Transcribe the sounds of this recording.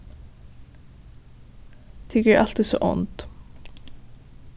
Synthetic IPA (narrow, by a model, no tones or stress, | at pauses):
t̪ʰɪɡɛʔɑlt̪ɪso̰ːʔɔ̰nt̪